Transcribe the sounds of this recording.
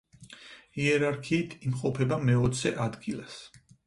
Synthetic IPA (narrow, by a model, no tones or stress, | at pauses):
iɛɾaɾkʰiːt̪ʰimqʼɔpʰɛbamɛɔt̪sʰɛʔad̪ɡilˠas